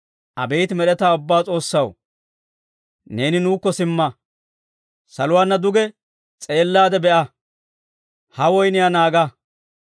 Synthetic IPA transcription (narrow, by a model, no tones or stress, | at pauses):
ʔɐ̰bɛjt̪mɛɗɛt̪aːʊbːaːt͡sʼo̞ːsːɐw | ne̞ːnɪnuːkːɔsɪmːɐ | sɐlʊwaːnːɐd̪ʊɡɛ | t͡sʼe̞ːlːaːd̪ɛbɛʔɐ | hɐwɔjnɪjanaːɡɐ